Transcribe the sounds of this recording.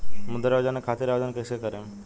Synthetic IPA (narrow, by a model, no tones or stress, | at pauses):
mud̪əɾaʋd͡ʒanekʰat̪iɾaʋd̪ənkəjsekəɾẽ